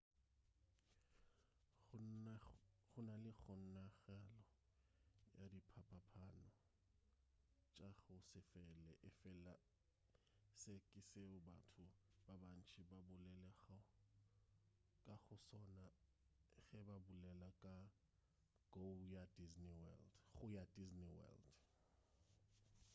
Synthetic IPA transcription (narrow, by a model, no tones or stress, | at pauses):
χʊnalɪχʊn̩naɣɛlɔ | jadipʰapʰapʰanɔ | t͡ʃʼaɣʊsɪfɛlɛʔɪfɛla | sekʼɪseʊbatʰʊbaban̩t͡ʃʰibabʊlɛlɛɣa | kʼaɣʊsɔna | ɣɛbabʊlɛlakʼa | ɡ̥ojadizniwɛldɣʊjadizniwɛ̰ld